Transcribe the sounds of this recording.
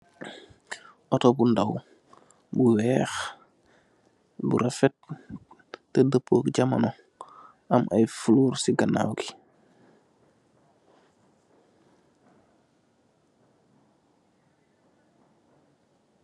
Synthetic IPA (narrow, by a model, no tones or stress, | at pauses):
ʔɔtɔbundaw | buwɛːx | bṵɾafɛt̚ | tɛdəpʰːoːkɟama̰nɔ | ʔamʔajfuluːɾsiɡana̰ːwɡi